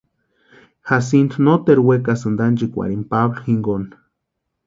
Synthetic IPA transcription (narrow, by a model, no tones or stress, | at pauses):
has̬ind̪not̪eɾwekasɨnd̪and͡ʒikʷa̰ɽimpaβlxiŋɡon